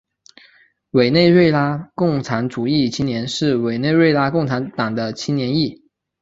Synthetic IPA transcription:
we˨˩ɪne˥˧ɪɻe˥˩ɪla˥kʊ˥˩ŋʈ͡ʂʰa˧˥nʈ͡ʂu˨˩i˥˩t͡ɕʰi˥njɛ˧˥nʂɻ̩˥˩we˨˩ɪne˥˧ɪwe˥˧ɪla˥kʊ˥˩ŋʈ͡ʂʰa˧˥nt̪ɑ˨˩ŋd̪ə˦t͡ɕʰi˥njɛ˧˥ni˥˩

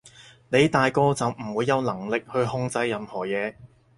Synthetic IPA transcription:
ne˨˧jt̪aː˨jkɔː˧t͡sɐ˨wm̩˨˩wuː˨˧jːɐ˨˧wnɐ˨˩ŋlɪ˨k̚hɵ˧ɥhʊ˧ŋt͡sɐ˨˥jːɐ˨˧mhɔː˨˩jɛː˨˧

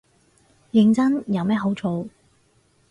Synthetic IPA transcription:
jɪ˨˧ŋt͡sɐ˥njɐ˨˧wmɛː˥ɦo˨˥wt͡ʃʰo˨˧w

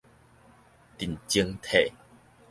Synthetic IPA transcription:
t̪i˨˩˨nt͡ɕi˧əŋt̪ʰe˨

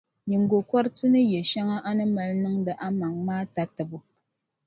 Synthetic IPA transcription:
ɲi˨ŋ̩˨ɡo˨kwɔ˦ɾtɨ˦nɨ˦jɛ˨ʃa˦ŋa˦ʔa˦nɨ˦mɛ˨lnɨ˦ŋdɨ˨ʔa˦ma˨ŋmaː˦ta˨tɨ˨bu˨

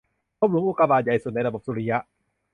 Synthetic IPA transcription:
kʰoː˥˦p̚ɾu˨˦ʔu˨˧˩kaː˧baː˨˩t̪̚ja˨˩jsu˨˩na˧jɾa˧bo˨˩p̚suː˧ɾi˧ja˦˥ʔ

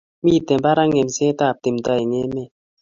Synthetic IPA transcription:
mi˦˨te˨m˨ba˦ɾa˦ŋe˨m̩˨se˦ta˦˨p̚te˨m̩˨tɔ˦e˨ŋe˦me˦˨

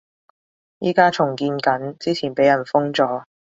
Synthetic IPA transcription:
jiː˥kaː˥t͡sʰʊ˨˩ŋkiː˧nkɐ˨˥nt͡siː˥t͡sʰiː˨˩npe˨˥jɐ˨˩nfʊ˥ŋt͡sɔː˨˥

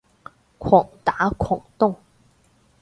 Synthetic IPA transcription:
kʰwɑ˨˩ŋt̪a˧˥˦kʰwɑ˨˩ŋt̪ʊ˥˩ŋ

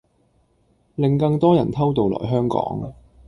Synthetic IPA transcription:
lɪ˨ŋkɐ˧ŋt̪ɔː˥jɐ̰˨˩nt̪ʰɐ˥wt̪o˨wlɔ̰ː˨˩jɦœː˥ŋkɔ̰ː˨˥ŋ

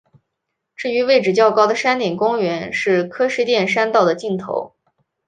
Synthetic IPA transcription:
ʈ͡ʂɻ̩˥˩y˧˥we˥˩ɪʈ͡ʂɻ̩˨˩t͡ɕjɑ˥˩ʊkɑ˥ʊd̪ə˨ʂa˥nt̪jɛ˨˩nkʊ˥ŋɥɛ˧˥nʂɻ̩˥˩kʰɤ˥ʂɻ̩˥˧t̪jɛ˥˩nʂa˥nt̪ɑ˥˩ʊd̪ə˩t͡ɕi˥˩nt̪ʰo̰˧˥ʊ

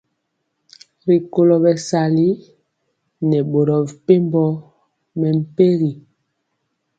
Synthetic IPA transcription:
ɾi˨ko˨lɔ˨bɛ˨sa˨li˦ | nɛ˨ɓo˨ɾɔ˨pe˦mbɔ˦ | mɛ˨m̩˨pe˦ɾi˨

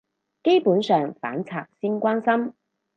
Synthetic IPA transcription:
ke˥jpuː˨˥nsœː˨ŋfa̰ː˨˥nt͡sʰaː˨k̚si˥ŋkʷwaː˥nsɐ˥m

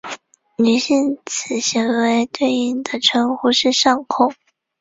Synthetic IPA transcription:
ny˧˥ɕi˥˩nt͡sʰɹ̩˨˩ɕi˧˥ŋwe˧˥ɪt̪we˥˩ɪi˥˩nd̪ə˨ʈ͡ʂʰɤ˧˥ŋxu˧˥ʂɻ̩˥˧ʂɑ˥˧ŋkʰʊ˥˩ŋ

